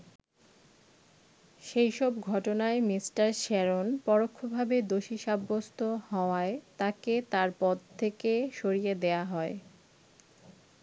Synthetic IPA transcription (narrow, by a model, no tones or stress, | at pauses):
ʃejʃɔb̚ɡʱɔʈonaemisʈaɾʃɛɾonpɔɾokʰːobʱabed̪oʃiʃabːost̪ʰohɔoaet̪aket̪aɾpɔd̪̚ʱt̪ʰekeʃoɾijed̪eaɦɔe